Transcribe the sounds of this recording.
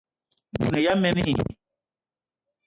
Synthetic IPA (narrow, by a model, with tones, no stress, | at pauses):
mṵ˨ne˨ja˦mɛ˦mi˦